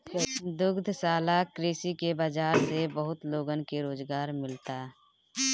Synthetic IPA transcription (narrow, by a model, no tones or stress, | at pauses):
d̪ʊɡd̪ʱsaːlakɾeːsikebaːd͡ʒaːɾsebəɦʊt̪loːɡənkeɾoːzɡaːɾmɪlt̪aː